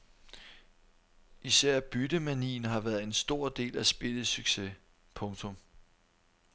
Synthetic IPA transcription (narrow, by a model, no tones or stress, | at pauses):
isæɐ̰b̥yd̥əmænḭːn̩ɦɑ̈ʋæɐð̩ˠe̝nsd̥o̝ɐ̰d̥e̝̰ːlæsb̥e̝ləsyɡ̥se̝ | pʰɔ̽ŋt͡sʰɔ̽m